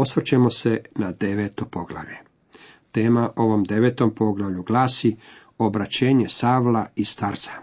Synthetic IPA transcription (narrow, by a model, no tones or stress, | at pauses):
o̞sʋrt͡ɕemo̞senad̪e̞ʋet̪opo̞ɡla̰ʋʎḛ | t̪e̞ːmaʔo̞ʋo̞md̪e̞ʋet̪o̞mpo̞ɡlˠaʋʎuɡlaːsi | o̞bɾat͡ɕeːɲesaːʋlˠaist̪aɾsḁ